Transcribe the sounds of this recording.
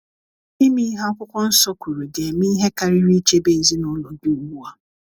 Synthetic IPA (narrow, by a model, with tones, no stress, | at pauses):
i˦mi˦ɦa˦kʷʊ˦kʷɔ˦n̩˦sɔ˦ku˨ɾu˨dɪ˨e˨mi˦i˦ɦe˦ka˨ɾi˦ɾi˦t͡ʃe˦be˦˨zi˦nʊ˦lɔ˨du˦u˨ɡ͡bu˦a˦